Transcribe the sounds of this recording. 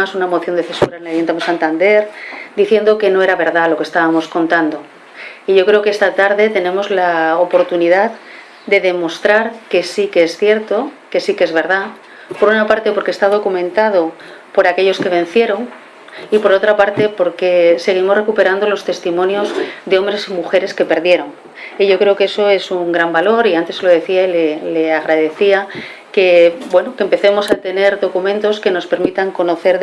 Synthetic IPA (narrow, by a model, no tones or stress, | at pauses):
asunamo̞θjo̞nd̪e̞θe̞suɾaenlajunt̪amsant̪and̪e̞ɾd̪iθje̞nd̪o̞ke̞no̞e̞ɾaβe̞ɾðalo̞kest̪aβamo̞sko̞nt̪and̪o̞ | iʝo̞kɾe̞okeest̪at̪aɾðe̞t̪e̞nẽ̞mo̞zlaopo̞ɾt̪unið̞að | d̪e̞ðe̞mo̞st̪ɾaɾke̞sikeesθje̞ɾt̪o̞ke̞sikeezβe̞ɾð̞a | po̞ɾunapaɾt̪e̞po̞ɾkest̪aðo̞kumẽ̞nt̪að̞o̞ | po̞ɾake̞ʎo̞ske̞β̞ẽ̞nθje̞ɾo̞ŋ | ipo̞ɾo̞t̪ɾapaɾt̪e̞po̞ɾke̞se̞ɣ̞imore̞kupe̞ɾand̪o̞lo̞st̪e̞st̪imõnjo̞zd̪eo̞mbɾe̞simuxe̞ɾe̞ske̞pe̞ɾðje̞ɾo̞ŋ | iʝo̞kɾe̞oke̞so̞e̞suŋɡɾambalo̞ɾiant̪e̞slo̞ð̞e̞θiaileleaɣ̞ɾaðe̞θia | kebwe̞no̞kempe̞θe̞mo̞sat̪e̞ne̞ɾðo̞kumẽnt̪o̞ske̞no̞spe̞ɾmit̪aŋko̞no̞θe̞ɾ